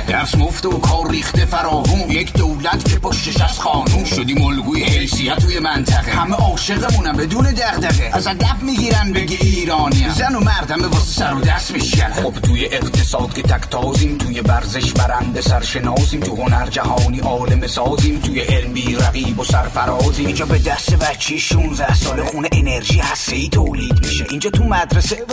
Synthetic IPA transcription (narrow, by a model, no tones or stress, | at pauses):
d̪̥æɾsmoft̪eokʰɒːɾːiːχt̪efæɾɒːvunjecʰd̪owlæt̪kʰepoʃːeʃæst̪χɒːnumʃod̪iːmolɡuːjehelsijæt̪ʰːuːjemænt̪ʰæɣehæmeʔɒːʃe̞ɣemunæmbed̪uːned̪æɣd̪æɣeæzæd̪æfmiːɡiːɾænbeɡeiːɾɒːniæzænomæɾd̪æmbebɒsi̥sæɾod̪æst̪miʃkænd̪xobt̪ʰuːjeʔeqt̪ʰesɒːd̪̚kʰet̪ʰækʰt̪ʰɒːziːmt̪ʰuːjebæɾze̞ʃbæɾænd̪esæɾʃenɒːsiːmt̪ʰuho̞næɾd͡ʒæhɒːniːʔɒːlemesɒːziːmt̪ʰuːjeʔelmbiːɾæɣiːbosæɾfæɾɒːziːmind͡ʒɒːbed̪æst̪evæt͡ʃʰːiʃunzæhsɒːlexuneʔeneɾʒiːehæst̪eiːt̪ʰoːliːd̪miʃeʔiːnd͡ʒɒːt̪ʰumæd̪ɾese